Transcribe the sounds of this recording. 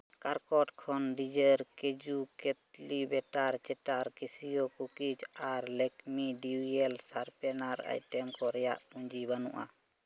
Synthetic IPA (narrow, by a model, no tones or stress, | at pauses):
kaɾkɔʈkʰɔnɖid͡ʒəɾked͡ʒukɛt̪̚libɛʈaɾt͡ʃɛʈaɾkisijɔkukid͡ʒaɾlɛkmiɖiujɛlsaɾpɛnaɾa̰jʈɛmkɔɾɛja̰ʔuɲd͡ʒibanṵʔa̰